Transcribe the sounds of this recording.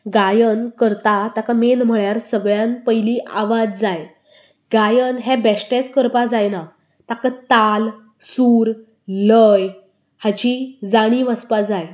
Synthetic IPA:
ɡajənkəɾt̪at̪akamenm̤əɭjaɾsəɡɭjãnpəjliʔaʋad͡zd͡zaj | ɡajənɦɛbɛsʈẽt͡skəɾpad͡zajna | t̪akat̪al | suːɾ | ləj | hat͡ɕid͡zaɽ̃iʋəspad͡zaj

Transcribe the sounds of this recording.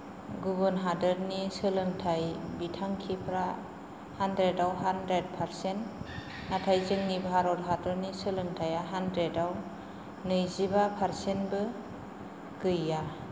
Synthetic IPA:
ɡubɔnɦadəɾnisɯlɯŋtʰajbitʰaŋkʰipʰɾa | handɾedawɦandɾed̚pʰaɾsent | natʰajzɯŋnibɦaɾɔtɦadɔɾnisɯlɯŋtʰajaɦandɾedaw | nɯjzibapʰaɾsenbɯ | kɯjːa

